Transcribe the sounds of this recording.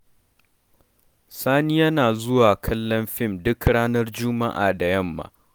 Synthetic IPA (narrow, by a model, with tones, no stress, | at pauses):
saː˦niː˦jɐ˦naː˨zʊ˦waː˨kʰɐ˦lːɐ˦mɸɪ˦˨mdʊ˦kɽaː˦nɐ˦rd͡ʒʊ˦ma˦ʔa̰ː˨da˨jɐ˦˨mːa̰ː˨